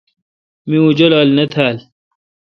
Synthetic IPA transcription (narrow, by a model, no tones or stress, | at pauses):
miud͡ʑolɐlnɐt̪ʰaːl